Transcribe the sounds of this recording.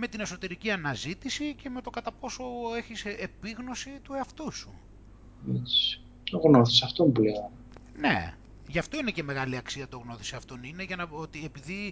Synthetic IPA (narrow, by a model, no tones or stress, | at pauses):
me̞t̪ine̞so̞t̪e̞ɾiciɐnɐzit̪isice̞me̞t̪o̞kɐt̪ɐpo̞so̞e̞çisepiɣno̞sit̪ueɐft̪usu | it͡s | t̪oɣnoθisɐft̪omubleon | ne̞̰ | ʝɐft̪o̞ine̞ce̞me̞ɣɐliɐksiɐt̪o̞ɣno̞θi̥seɐft̪o̞nine̞ʝɐnɐot̪iepiði